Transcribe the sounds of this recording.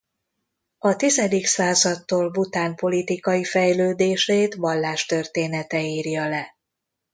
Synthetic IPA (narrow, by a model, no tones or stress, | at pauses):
ɒt̪izɛd̪iksaːzɒt̪ːoːlbut̪aːmpo̞lit̪ikɒjifɛjløːd̪eːʃeːt̪ʋɒlːaːʃt̪ørt̪eːnɛt̪ɛiːrjɒlɛ